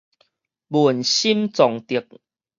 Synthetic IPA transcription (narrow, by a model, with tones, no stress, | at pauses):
bu˨ənɕi˦mt͡sɔ˨˦ŋt̪i˨ək̚